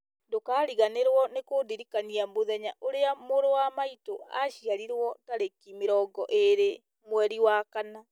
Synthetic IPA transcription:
dokaːɾiɣaneɾwɔnekoːdiɾikaniamoðɛɲaʔoɾeamoɾowamaitoaʃiaɾiɾwɔtaɾekimeɾɔɡɔʔeɾe | mwɛɾiwakana

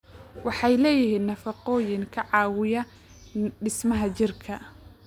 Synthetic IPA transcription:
wɑħɑjlɛːjɪɦiːnːɐfɑqɔːjɪŋkʰɐʕɑːwɪjɐ | ɖɪsmɐɦɐt͡ʃɪrkʰɐ

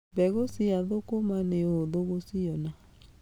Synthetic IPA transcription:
bɛɣosiaðokomaneoðoɣosiɔna

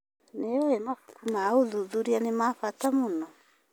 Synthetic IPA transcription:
neaemakukumauðuðuɾianemafatamono

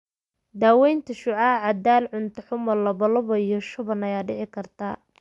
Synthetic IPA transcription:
d̪aːwɛjnt̪ʰɐʃʊʕaʕɑd̪aːlʕʊnt̪ʰɐħʊmɐlːɐβɐlʊβɐijɔʃʊβɐnɐjaːɖɪʕɪkʰɐrt̪ʰa̰ː

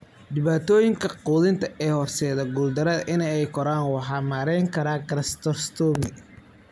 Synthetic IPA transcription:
ɖ̪ɪβaːt̪ʰɔːjɪŋkʰɐquːðɪnt̪ʰɐʔɛːhɔrsɛːðɐɡuːld̪ɐɾɐðʔɪnɛɛjkʰɔɾaːnwɑħɑːmaːɾɛjŋkʰɐɾaːɡɾɐst̪ɔrst̪ʰɔmɪ

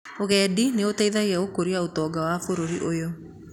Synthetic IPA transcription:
oɣɛːdineotaiðaiaokoɾiaotɔːɡawafoɾoɾiʔojo

